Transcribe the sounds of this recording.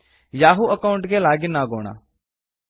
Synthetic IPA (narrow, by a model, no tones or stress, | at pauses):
jaːɦuːʔəkaʊ̃ɳʈɡeːlaːɡinaːɡo̰ːɽa̰ː